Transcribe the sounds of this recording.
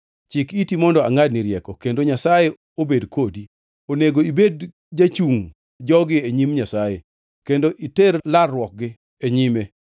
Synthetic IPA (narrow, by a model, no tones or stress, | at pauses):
t͡ʃɪkitimɔndɔa̰ŋad̚nɪɾjɛkɔkendoɲasaje | obedkʰodi | oneɡoibed | d͡ʒat͡ʃuŋ | d͡ʒɔɡɪeɲimɲasajḛ | kendoʔiteɾlarːwɔk̚ɡɪ | eɲime